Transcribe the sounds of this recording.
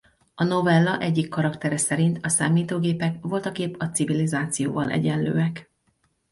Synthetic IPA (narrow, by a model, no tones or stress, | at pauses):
ɒno̞vɛlːɒʔɛɟːikːɒɾɒkt̪ɛɾɛsɛɾint̪ɒsaːmiːt̪oːɡeːpɛkʋo̞lt̪ɒɡeːpɒtsivilizaːt̪sijoːvɒlʔɛ̰ɟɛnlø̰ːɛk